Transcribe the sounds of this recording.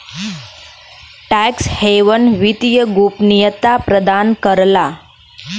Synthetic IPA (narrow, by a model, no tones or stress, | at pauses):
ʈæksheʋənʋit̪ijəɡupnijət̪apɾəd̪ankəɾla